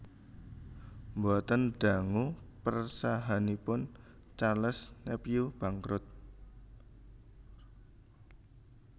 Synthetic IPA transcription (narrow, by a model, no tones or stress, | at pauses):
mbɔt̪ənɖ̪̥a̤ŋupərsaɦanipʊn | t͡ʃaləsnepijub̥aŋkɾʊt̪̚